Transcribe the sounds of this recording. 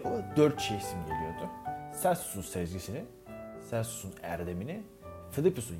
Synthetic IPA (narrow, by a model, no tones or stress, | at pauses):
ud̪øɾt̪̚t͡ʃʰejsimolʲˠijoɾd̪ʊsæsu̥sunsɛzɟisinin | sæsu̥sunæ̰ɾd̪e̞minɪ | filʲˠipusun